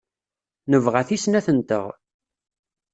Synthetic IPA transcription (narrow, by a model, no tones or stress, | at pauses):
nəvʁæθisnæθənt̪ə̰ʁ